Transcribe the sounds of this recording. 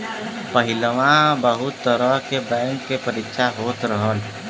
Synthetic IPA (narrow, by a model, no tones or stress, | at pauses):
pəɦɪləʋãbəɦʊt̪ːəɾəkebɛ̃ːŋkːepəɾɪkʃʰaɦoːt̪ɾəɦəl